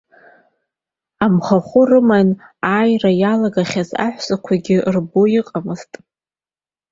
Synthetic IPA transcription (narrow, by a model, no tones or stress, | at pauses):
amχaχʷʊrɨmanaːjrajalaɡaχʲaza̰ħʷsakʷʰaɡʲɪrboiqʼamɨztʼ